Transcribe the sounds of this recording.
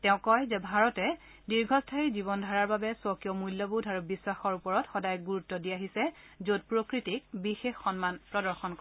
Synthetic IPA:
tɛʊ̃kɔjzɛbʱaɹɔtɛ | diɹɡʱɔstʰaɹizibɔndʱaɹaɹbabɛsɔkijɔmulːɔbudʱaɹubiswaxɔɹupɔɹɔtxɔdajɡuɹutːɔdiaɦisɛ | zod̚pɹokɹitik̚bixexːɔnmanpɹɔdɔɹxɔnk

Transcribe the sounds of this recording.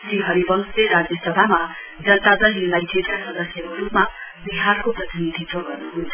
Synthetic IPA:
t̪iɦʌɾibʌŋsleɾad͡zjʌsʌbʱama | d͡zʌnt̪ad͡zʌjunajʈʰedkasʌd̪ʌsjʌkoɾupmabiɦarkoprʌt̪ʰinid̪ʱit̪rʌɡʌrnuɦunt͡sʰʌ

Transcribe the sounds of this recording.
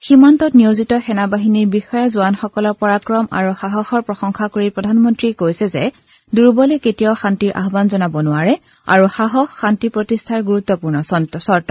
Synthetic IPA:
ximantɔtnijozitɔxɛnabaɦiniɹbixɔjazʊanxɔkɔlɔɹpɔɹakɹɔma̰ɹuxaɦɔxɔɹpɹɔxɔŋxakoɹipɹɔdʱanmɔntɹikojsɛzɛ̰ | duɹbɔlɛketijɔxantiɹʔa̰ɦbanzɔnabɔnʊaɹɛ | a̰ɹuxaɦɔxːantipɹotistʰaɹɡuɹut̪ːɔpuɹnɔssɔɹtɔ

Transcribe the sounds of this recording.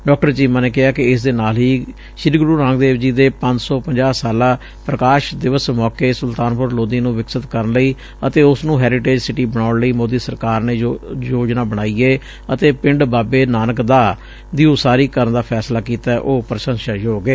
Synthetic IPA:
ɖɔːk̚ʈəɾt͡ʃiːmãːneːkɪɦaːkɪɪs̬d̪eːnaːlɦiː | ʃɪɾɡɾuːɾãːŋɡd̪eːʋd͡ʒiːd̪eːpə̃ɲd͡ʒsɔːpəɲd͡ʒaːsaːlaː | pɾəkaːʃd̪ɪʋəsmɔːkeːsʊlt̪aːnpʊɾloːd̪iːnũːʋɪksət̪kəɾənləiː | ət̪eːʊsnũːɦɛːɾɪʈeːd͡ʒsɪʈiːbəɽ̃aːʊɳləiːmoːd̪iːsəɾkaːɾneːjoːd͡ʒnaːbəɽaːiːeː | ət̪eːpɪ̃ɳɖbaːbeːnaːnəkd̪aː | d̪iːũsaːɾiːkəɾənd̪aːpʰɛːslaːkiːt̪aɛʔoːpɾəʃə̃ŋʃaːjoːɡeː

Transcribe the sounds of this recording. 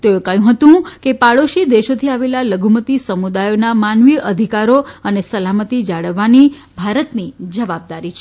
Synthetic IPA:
t̪ookəjũɦət̪ũkepaɭoʃid̪eʃot̪ʰiaʋelaləɡʱumət̪isəmud̪ajonamanʋiʔəd̪ʱikaɾoənesəlamət̪id͡ʒaɭəʋːani | bʱaɾət̪nid͡ʒəʋab̚d̪aɾit͡ʃʰ

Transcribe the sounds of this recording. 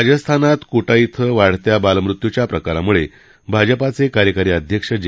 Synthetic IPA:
d͡ʑəst̪ʰanat̪koʈait̪ʰəʋaɽ̤t̪jabaləmɾut̪jut͡ɕjapɾəkaɾamuɭe | bʱad͡ʑəpat͡sekaɾjəkaɾiːəd̪ʱjəkʂəd͡ʑ

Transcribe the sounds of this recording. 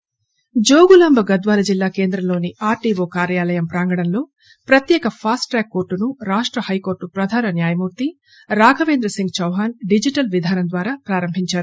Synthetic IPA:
d͡ʒoːɡulɐmbʱɐɡɐd̪ʋaːlɐd͡ʒilːaːke̞ːnd̪ɾɐmlo̞ːniaːɾʈiːʋoːkaːɾjaːlɐjɐmpɾaːŋɡɐɽɐnlo̞ː | pɾɐt̪jɛːkɐpʰaːsʈʈɾɛːkːo̞ːɾʈːunuɾaːʂʈɾɐhɐjkoːɾʈːupɾɐd̪ʱaːnɐnjaːjɐmuːɾt̪i | ɾaːɡʰɐʋeːnd̪ɾɐsiŋɡ̚t͡ʃɐwɦaːnɖid͡ʒiʈɐlʋid̪ʱaːnɐmd̪ʋaːɾaːpɾaːɾɐmbʱiɲt͡ʃaːɾu

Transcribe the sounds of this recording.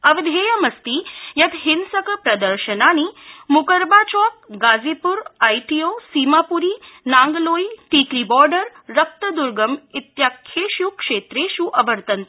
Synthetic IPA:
əʋd̪ʱejəmɐst̪iːjɐt̪ɦinsəkpɾɐd̪əɾɕənaɽ̃imukəɾbat͡ɕɔk̚ɡad͡zipuɾajʈijosimapuɾiːnaŋɡloiʈiːklibɔɾɖəɾːɐp̚t̪əd̪uɾɡəmit̪jakʰːeɕukʂet̪ɾeɕuʔɐʋəɾt̪ənt̪

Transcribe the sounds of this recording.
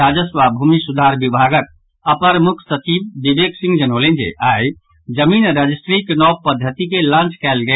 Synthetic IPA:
ad͡ʒəsʋabʱuːmisud̪ʱaɾbibʱaɡət̪̚ | əpəɾmukʰsət͡ʃiːbd̪ibeksĩŋɡd͡ʒənoːlẽnd͡ʒḛʔaːi | d͡ʒəmiːnɾad͡ʒisʈɾiknɔpəd̪ʱːət̪ikelãːnt͡ʃkɛːlɡə

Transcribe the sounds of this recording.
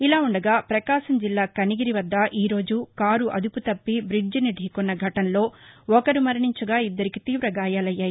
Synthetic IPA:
ilaːuɳɖɐɡaːpɾɐkaːʃɐmd͡ʒilːaːkɐniɡiɾiʋɐd̪ːɐʔiːɾo̞ːd͡ʒukaːɾuʔɐ̰d̪uput̪ɐpːibɾid͡ʒiniɖʱiːkɔnːɐɡʱɐʈɐnlo̞ːɔkɐɾumɐɾɐɳiɲt͡ʃuɡaːid̪ːɐɾikit̪iːʋɾɐɡaːjaːlɐjːaːji

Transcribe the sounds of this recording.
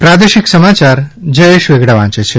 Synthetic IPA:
pɾad̪eʃiksəmat͡ɕaɾd͡ʒəjeʃʋeɡɽaʋãt͡ʃet͡ɕʰe

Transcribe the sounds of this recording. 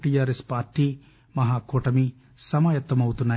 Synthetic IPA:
ʈijaːɾespaːɾʈːi | mɐɦaːkoːʈɐmi | sɐmaːjɐt̪ːɐmɐwut̪unːa

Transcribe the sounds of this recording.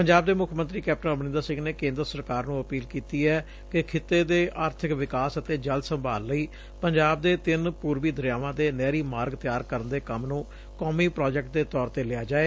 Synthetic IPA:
pəɲd͡ʒaːb̚d̪eːmʊkʰːmənt̪ɾiːkɛːp̚ʈənəbnɪ̃nd̪aːsɪ̃ŋɡneːkẽːnd̪əɾəsəɾkaːɾnũːəpiːlkiːt̪iːɛː | kɪkʰɪt̪ːeːd̪eːʔaːɾt̪ʰɪkʋɪkaːsət̪eːd͡ʒəld̪səmbaːlːəiː | pəɲd͡ʒaːb̚d̪eːt̪ɪnpuːɾʋiːd̪əɾjaːʋãːd̪eːnɛːɾiːmaːɾɡt̪ɪjaːɾkəɾənd̪eːkəmnũː | kɔːmiːpɾɔːd͡ʒɛk̚ʈ̚d̪eːt̪ɔːɾt̪eːlɪaːd͡ʒaːeː

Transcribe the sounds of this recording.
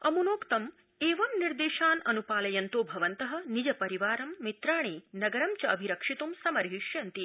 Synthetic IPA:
ɐmunoːkt̪ɐm | eːʋɐmniɾd̪eːʃaːnɐnupaːlɐjɐnt̪oːbʱɐʋɐnt̪ɐɦɐ̆nid͡ʒɐpɐɾiʋaːɾɐmːit̪ɾaːɳ̃eːnɐɡɐɾɐmt͡ʃɐɐbʱiɾɐkʂit̪umsɐmɐɾɦiʃjɐnt̪i

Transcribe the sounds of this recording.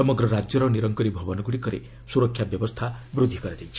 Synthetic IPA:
ɔmɔɡɾɔɾad͡ʒjɔɾɔniɾɔŋkɔɾibʱɔbɔnɔɡuɽikɔɾḛ | suɾɔkʰːjabjɔbɔst̪ʰabɾud̪ʱːikɔɾad͡ʒajt͡ʃʰi

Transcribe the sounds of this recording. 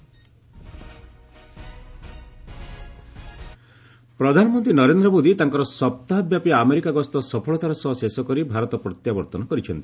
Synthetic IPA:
pɾɔd̪ʱanɔmɔnt̪ɾinɔɾend̪ɾɔmod̪it̪aŋkɔɾɔsɔp̚t̪aɦabjapiameɾikaɡɔst̪ɔsɔpʰɔɭɔt̪ʰaɾasɔɦɔsesɔkɔɾibʱaɾɔt̪ɔpɾɔt̪jabɔɾt̪ɔnɔkɔɾit͡ʃʰɔnt̪i

